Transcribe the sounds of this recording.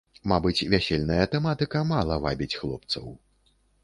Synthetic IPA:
mabɨt͡sʲvʲæsʲelʲnɐjɐt̪ɛmat̪ɨkɐmalˠɐva̰bʲit͡sʲxlˠɔp̚t̪sɐ̰w

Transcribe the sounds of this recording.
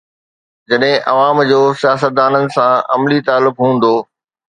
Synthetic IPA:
d͡ʑɐɗɦɪ̃ʔɐʋaːmd͡ʑoːsijaːs̬ət̪̚d̪aːnənɪ̆sãɐmlit̪aːlːʊkɦũːn̆d̪oː

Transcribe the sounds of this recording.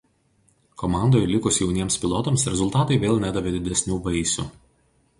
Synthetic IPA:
kɔmɑˑnd̪oːjlʲɪkʊsjɛʊnʲiɛmspʲɪlˠɔt̪omsɾʲɛzʊlˠt̪ɑːt̪ɐɪʋʲeːlˠnʲæːd̪ɐʋʲed̪ʲɪd̪ʲɛsʲnʲuːbɐɪsʲʊ̰

